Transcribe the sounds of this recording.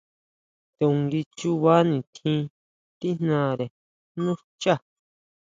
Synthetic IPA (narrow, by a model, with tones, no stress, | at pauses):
t̪e˧ũ˨ŋɡi˧t͡ʃu˧βa˦nĩ˨t̪ʰĩ˧ | t̪i˦n̥nã˦˨ɾe˨ | nũ˦ | t͡ʃa˦